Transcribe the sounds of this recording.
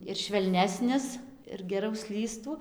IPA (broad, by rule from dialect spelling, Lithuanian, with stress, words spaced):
ɪr ʃʲʋʲɛlʲˈnʲæːsʲnʲɪs ɪr ɡʲɛˈrɐʊ ˈsʲlʲiːstuː